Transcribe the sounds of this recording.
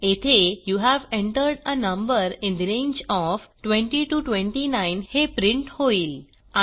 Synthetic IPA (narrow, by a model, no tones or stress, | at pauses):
et̪ʰejuɦæʋẽɳʈəɾɖənə̃mbəɾɪ̃nd̪iɾẽɲd͡ʑɔfʈʋẽɳʈiʈuʈʋẽɳʈinãɪnhepɾɪ̃ɳʈhoiːl | a